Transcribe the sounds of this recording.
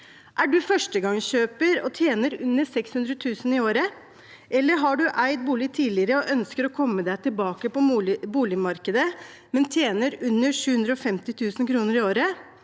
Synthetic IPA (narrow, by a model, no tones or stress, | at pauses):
ʔæɖʉfœʂʈəɡɑŋɕøːpəɾɔ̰t̪ʰjeːnəɾʉnːəsɛkshʉnd̪ɾət̪ʰʉːsən̩ɪoːɾə | ʔɛlːəɾɦɑɖʉʔæɪt̪̚buːlɪt̪ʰiːlɪəɾəɔʔœnskəɾɔkʰɔmːəd̪æɪt̪ʰɪlbɑːkəpɔbuːlɪmɑɾkəd̪ə | mɛnt̪ʰjeːnəɾʉnːəʂʉːhʉnd̪ɾəɔfɛmt̪ɪt̪ʰʉːsənkʰɾuːnəɾɪoːɾə